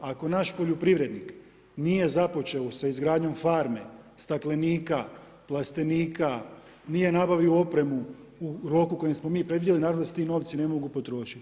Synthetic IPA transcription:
ako̞naːʃpoʎopɾiʋɾe̞d̪nik | nije̞zapo̞t͡ʃe̞osaizɡɾaːd̪ɲo̞mfaɾme̞st̪akle̞niːka | plˠast̪e̞niːka | nije̞nabaʋioo̞pɾe̞mu | uɾo̞kuko̞jesmo̞miːpɾed̪ʋid̪jelinaːɾaʋnset̪ino̞ːʋt̪sine̞mo̞ɡupo̞t̪ɾo̞ːʃi̥t̪

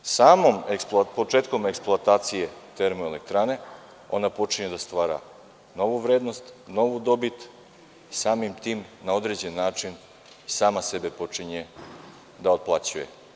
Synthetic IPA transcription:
saːmomepo̞t͡ʃeːt̪ko̞meksploat̪aːt̪sije̞t̪e̞ɾmoele̞k̚t̪ɾane̞ | o̞̰napo̞t͡ʃiɲed̪ast̪ʋaːɾa̰ | no̞ʋuʋɾeːd̪no̞st̪no̞ʋud̪o̞bit̪ | isaːmimt̪iːmnao̞d̪ɾed͡ʑe̞nːaːt͡ʂin | isaːmase̞be̞po̞t͡ʂiɲe | d̪aot̪̚plˠat͡ɕujḛ

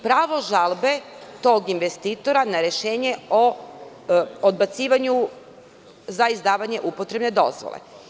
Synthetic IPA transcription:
pɾaːʋo̞ʒalˠbe̞ | t̪o̞ːɡinʋest̪iːt̪o̞ɾanaɾe̞ʃe̞ːɲe̞o | od̪̚bat̪siːʋaɲu | zaizd̪aːʋaɲe̞ʔupo̞t̪ɾe̞bne̞d̪o̞̰zʋo̰lˠḛ

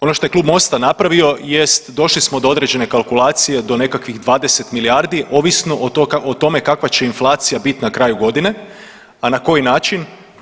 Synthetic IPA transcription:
o̞noʃt̪o̞jekluːbmo̞st̪anapɾaʋio̞je̞st̪d̪o̞ʃlismo̞d̪o̞o̞d̪ɾe̞d͡ʑe̞ne̞kalˠkulˠaːt̪sije̞d̪o̞ne̞kakʋiɣd̪ʋaːd̪ese̞t̪miliaɾd̪iʔo̞ʋisno̞ʔʔot̪o̞me̞kakʋat͡ɕe̞inflˠaːt̪sijabit̪nakɾaːjuɡo̞d̪ine̞ | anako̞jinaːt͡ʃin

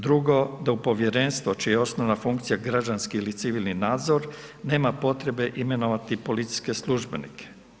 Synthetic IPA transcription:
d̪ɾuɡo̞d̪aupo̞ʋje̞ɾeːnst̪ʋo̞t͡ʃijeo̞snoʋnafuŋkt̪sijaɡɾad͡ʑanskiilit̪siʋilˠninaːd̪zo̞ɾne̞ːmapo̞t̪ɾe̞be̞ʔime̞no̞ʋat̪ipo̞lit̪si̥ske̞slˠuʒbe̞nḭkʰe̥

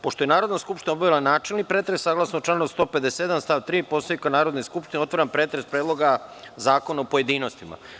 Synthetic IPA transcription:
poʃt̪o̞je̞naːɾo̞d̪naskupʃt̪inaobaʋilˠanaːt͡ʃelnipɾeːt̪ɾesaɡlasnot͡ʃlanost̪o̞ːped̪esed̪anst̪aːʋt̪ɾiːpo̞st̪oikanaːɾo̞d̪neskupʃt̪ineo̞t̪ʋaɾanpɾe̞ːt̪ɾespɾe̞ːd̪lˠo̞ɡa | zaːko̞naopoje̞d̪iːno̞st̪ima̰

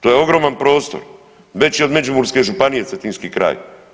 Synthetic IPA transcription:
t̪o̞ːjeo̞ɡɾo̞ːmanpɾo̞ːst̪o̞̰ɾ | ʋe̞t͡ɕio̞d̪me̞d͡ʒumuɾske̞ʒupanije̞et̪inskiːkɾa̰ːj

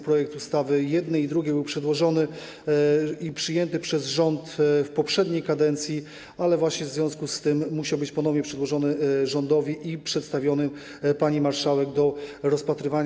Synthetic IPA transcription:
pɾɔjɛk̚t̪ust̪avɘjɛd̪nɛid̪ɾuɡʲɛbɘwpʂɛd̪wɔʐɔnɘ | ipʂɘjɛnt̪ɘpʂɛzʐɔnt̪fpɔpʂɛd̪ɲejkad̪ɛnt̪sʲji | alɛvwaɕɲɛvzvʲjɔ̃w̃skust̪ɘmːuɕawbɘt͡ɕpɔnɔvɲɛpʂɛd̪wɔʐɔnɘʐɔnd̪ɔvʲiʔipʂɛt̪st̪avʲjɔnɘ | paɲimaɾʂawɛɡd̪ɔɾɔspat̪ɾɘvaɲ

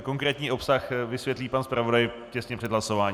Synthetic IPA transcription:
koŋkɾɛːt̪ɲiːʔo̞psaxvɪsvjɛt̪liːpanspɾavodaj | cɛsɲɛpr̥ɛdɦlaso̞vaːɲ

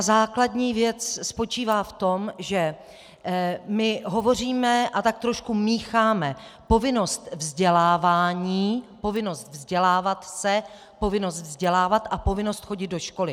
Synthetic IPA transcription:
zaːkladɲiːvjɛt͡sspo̞t͡ʃiːvaːft̪o̞mʒɛ | mɪɦo̞vo̞r̝iːmɛʔat̪ak̚t̪ɾoʃkumiːxaːmɛpo̞vɪno̞st̪vzɟɛlaːvaːɲiːpo̞vɪno̞st̪vzɟɛlaːvat̪sɛ | po̞vɪno̞st̪vzɟɛlaːvat̪ʔapo̞vɪnost̪xo̞ɟɪd̪̚do̞ʃko̞lɪ

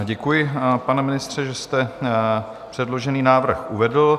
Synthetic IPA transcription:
ɟɛkujɪpanɛmɪnɪst̪r̝̥ɛʒɛst̪ɛ | pr̝̥ɛdlo̞ʒɛniːnaːvr̩xʔuvɛdl̩

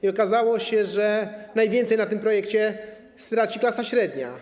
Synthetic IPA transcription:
iɔkazawɔɕɛʐɛnajvʲjɛnt̪ɛjnat̪ɘmpɾɔjɛkt͡ɕɛ | st̪ɾat͡ɕiklasaɕɾɛd̪ɲa̰

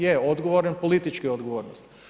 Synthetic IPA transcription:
jeod̪ɡoʋoɾenpolit̪it͡ʃkiod̪ɡoʋoːɾnost̪

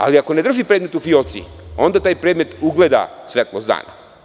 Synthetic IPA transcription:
a̰liako̞ned̪r̩ʒipɾed̪me̞t̪ufioːt̪sḭo̞nd̪at̪aːjpɾed̪me̞t̪uɡled̪a̰sʋet̪losd̪a̰ːna̰

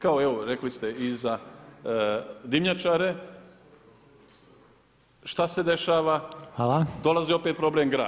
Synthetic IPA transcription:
kao̞eʋoɾe̞klist̪eiza | d̪imɲat͡ʃaːɾe̞ | ʃt̪ase̞d̪e̞ʃaːʋaalˠad̪o̞lˠazio̞pet̪̚pɾo̞blemɡɾaː

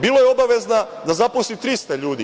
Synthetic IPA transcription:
biːlojeo̞baʋe̞zna | d̪azaposlit̪ɾist̪aʎuːd̪i

